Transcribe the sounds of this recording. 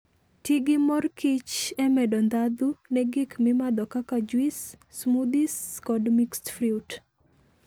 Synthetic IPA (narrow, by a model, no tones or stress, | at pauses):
tiɡɪmɔrkɪt͡ʃɛmɛdɔnd̪ad̪unɛɡɪkmɪmad̪ɔkakad͡ʒwisːmud̪iskɔdmikstfɾiut